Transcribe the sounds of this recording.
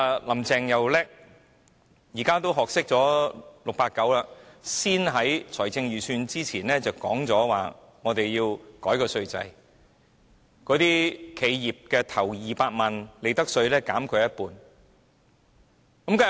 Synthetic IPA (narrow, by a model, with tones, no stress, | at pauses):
lɐ˨˩mt͡sɛː˨ŋjɐ˨wlɛː˥k̚ | jiː˨˩kaː˥t̪o˥wɦɔː˨k̚sɪ˥k̚t͡sɔː˨˥lʊ˨k̚paː˧t̚kɐ˨˥wlaː˧siː˥nɦɐ˨˥jt͡sʰɔː˨˩jt͡sɪ˧ŋjyː˨˩syː˧nt͡siː˥t͡sʰiː˨˩nlɛː˥t͡sɐ˨wkɔ̰ː˨˥ŋt͡sɔː˨˥wa̰ː˨ | ŋɔː˨˧t̪e˨jjiː˧wkɔː˨˥jkɔː˧sɵ˧ɥt͡sɐ̰˧j | kɔː˨˧˥t̪iː˥kʰe˨˧jjiː˨p̚kɛː˧t̪ʰɐ˨˩wjiː˨paː˧t̚maː˨˩nle˨˧jt̪ɐ˥k̚sɵ˧ɥlɛː˥kaː˨˥mkʰɵ˨˧jɐ˥t̚puː˧n | kɐ˨˥mka˥